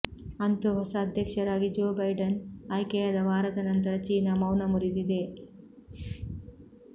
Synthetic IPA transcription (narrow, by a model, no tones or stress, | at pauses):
ɐnt̪uɦɔsɐːd̪ʱjɐkʂɐɾaːɡid͡ʒoːbɐjɖɐnajkɛjad̪ɐʋaːɾɐt̪ɐnɐnt̪ɐɾɐt͡ʃiːnɐmɐwnɐmuɾid̪id̪e̞